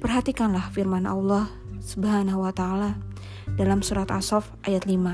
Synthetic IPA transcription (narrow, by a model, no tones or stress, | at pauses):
pərɦat̪ikanlahfirmana̰lːɑh | səbɦanahuwat̪aːla | dalamsuɾat̪asɔfʔajat̪lima